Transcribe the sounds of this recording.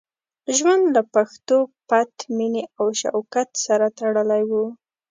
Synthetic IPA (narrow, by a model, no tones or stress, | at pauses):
ʒwand̪lapaxt̪opat̪mineʔawʃa̰wkat̪saɾat̪aɽəlajwu